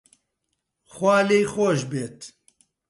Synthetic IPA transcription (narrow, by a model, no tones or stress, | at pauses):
xwaːleːjxoːʃbeːt̪